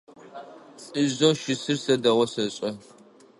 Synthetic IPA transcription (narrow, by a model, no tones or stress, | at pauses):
ɨzoːʃɪsɨrsɐdɐwɔsɐɕʼɐ